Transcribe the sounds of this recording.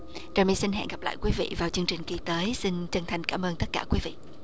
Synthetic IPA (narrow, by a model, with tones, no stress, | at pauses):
kaː˨˩mḭ˧˦˥si˧n̟ɦɛ̰ː˧˨nɣa˨˩pla̰ː˧˨jkwi˨˦vḭ˧˨vaː˨˩wt͡ɕɨ˧əŋt͡ɕï˨˩ŋ̟ki˧t̪əː˨˦jsi˧nt͡ɕə˧nt̪ʰa˨˩jŋ̟kaː˧˩mʔəː˧nt̪ə˦˥t̚kaː˧˩kwi˨˦vḭ˧˨